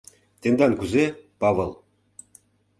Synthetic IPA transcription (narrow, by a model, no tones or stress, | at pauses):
t̪end̪ɑnkyzepɑβɤlˠ